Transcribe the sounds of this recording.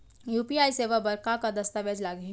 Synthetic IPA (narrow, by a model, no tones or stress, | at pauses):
juːpiaːjseʋəbəɾkakad̪əst̪aʋed͡ʒlaɡə